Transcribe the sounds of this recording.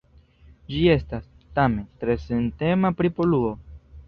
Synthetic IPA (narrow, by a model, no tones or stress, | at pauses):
d͡ʒie̞stas | tame̞ntɾe̞sente̞mapɾipoluo̞